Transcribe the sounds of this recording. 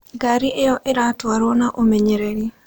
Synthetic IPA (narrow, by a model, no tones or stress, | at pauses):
ɡaɾiʔejɔʔeɾatwaɾonaʔomeɲeɾeɾi